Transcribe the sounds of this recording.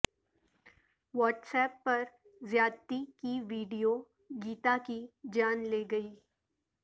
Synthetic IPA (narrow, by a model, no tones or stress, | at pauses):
ʋɔːʈsɛːpːɐɾ | zjaːt̪ikiʋiːɖijo | ɡiːt̪akid͡ʒaːnleːɡɐiː